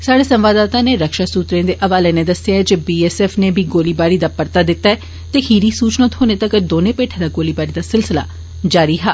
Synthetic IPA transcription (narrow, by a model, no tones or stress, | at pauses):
saːɽeːsə̃mʋaːd̪aːt̪ãːneːɾəkʃaːsuːt̪ɾẽːd̪eːʔəʋaːleneːd̪əsɪjaːɦɛd͡ʒeːbiːɛːsɛːfʰneːbʱiːɡoːliːbaːɾiːd̪aːpəɾt̪aːd̪ɪt̪ːaːɛ | t̪eːhiːɾiːsuːt͡ʃnət̪ɦoːneːt̪əkd̪oːnẽːpeːʈʰed̪aːɡoːliːbaːɾiːd̪aːsɪlsɪla̰ː | d͡ʒaːɾiːɦaː